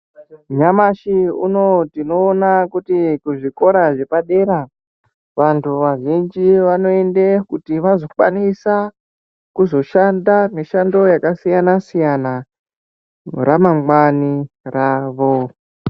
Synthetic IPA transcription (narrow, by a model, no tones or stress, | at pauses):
ɲamaʃiṵno̞tino̞ːnakutikuʐiko̞ɾaʐe̞paɗe̞ɾa | ʋantuʋaʐind͡ʒiʋano̞endekutiʋazo̞kwa̰nisa | kuzo̞ʃandane̞ʃando̞jakasijanasijana | ramaŋwani | raːʋo̞